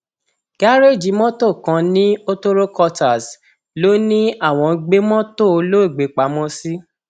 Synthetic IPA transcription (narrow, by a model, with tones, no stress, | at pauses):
ɡ̥a˦ɾe˦˨d͡ʒi˨˦mɔ̃˦to˦˨kã˧˦nĩ˦o˦to˦ɾo˦kɔ˧ta˨s | lo˨˦nĩ˦a˦˨w̃ɔ̃˨˧ɡ͡be˦mɔ̃˦to˦˨˧lo˦i˦˨ɡ͡be˨˦k͡pa˨˦mɔ̃˦si˦